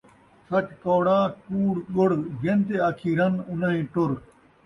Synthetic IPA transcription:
sɐt͡ɕkoːɽãːkuːɽɡoɽɡent̪eaːkʰiːɾɐnʊnaĩːʈʊɾ

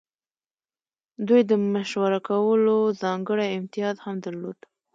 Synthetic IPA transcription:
d̪ujd̪əmaʃwaɾakawəlozɑŋɡəɽajɪmt̪ɪjɑd̪hamd̪əɾlod̪̥

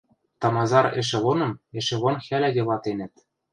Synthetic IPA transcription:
t̪ɑmɑzɑɾḛ̆ʃ̬ĕlonɤ̆mĕʃĕlonxælæɡʲelɑt̪enɘ̆t̪̚

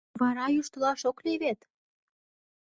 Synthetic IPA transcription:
βɑɾɑjuʃt̪ə̆lɑʃokleβet̪

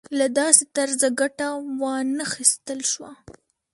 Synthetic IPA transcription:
lad̪ɑset̪aɾzaɡaʈawɑnaxist̪əlʃwa

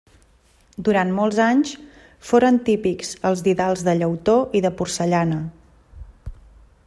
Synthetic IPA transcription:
d̪uɾanmolˠzaɲs | foɾənt̪ipikz̥əlˠzðiðalˠzðəʎəwt̪oʔiðəpursəʎanə

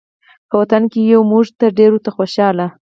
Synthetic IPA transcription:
pəwat̪ankejawmuʐt̪əɾɖeɾot̪axoʃɑla

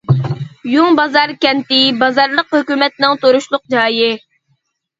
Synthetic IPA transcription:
juŋbɑzɑɾkʲɛnt̪ɪbɑzɑɾlˠəqhøkʲymɛt̪̚nɪŋt̪oɾuʃlˠʊq̚d͡ʒɑːjɪ

